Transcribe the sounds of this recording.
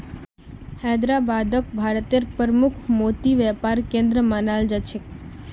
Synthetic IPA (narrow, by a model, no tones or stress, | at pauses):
hɛd̪ɾabad̪ək̚bʱaɾt̪eɾpəɾmukʰmot̪iʋɛpaɾkẽnd̪ɾəmanald͡ʒat͡ʃʰek̚